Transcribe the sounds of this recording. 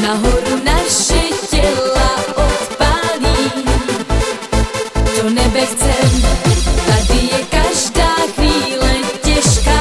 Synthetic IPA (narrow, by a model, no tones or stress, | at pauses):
naɦɔɾunaʃɛcɛlaʔɔt̪pali | t͡ʃɔnɛbɛxt͡sɛmt̪ad̪ijɛkaʒdaːxʋiːlɛcɛʃkaː